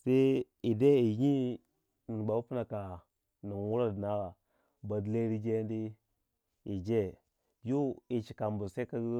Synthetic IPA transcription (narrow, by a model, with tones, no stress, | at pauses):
se˦ | i˨de˦i˨ɲi˦ | ni˨ba˨wu˦pi˦na˨ka˨ | ni˨wu˦ɾa˦dna˦ɣa˨ | ba˨dle˦ɾi˦d͡ʒe˦n˦di˦ | i˨d͡ʒe˦ | ju˦i˨t͡ʃi̥˨ka˨mbu˨se˦ka˦